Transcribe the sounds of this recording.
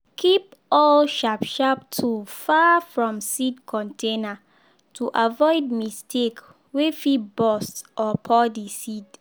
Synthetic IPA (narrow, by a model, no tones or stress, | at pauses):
kʰipɔlʃapʃaptʰufafɹɔ̃msidkʰɔ̃ntʰẽna | tʰuʔavɔɪd̚mistʰek | wefibɔstʔɔpʰɔdisid